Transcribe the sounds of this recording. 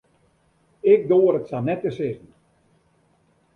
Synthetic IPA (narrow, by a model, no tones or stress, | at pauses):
ɪk̚doːəɾətsanɛtəsɪzn̩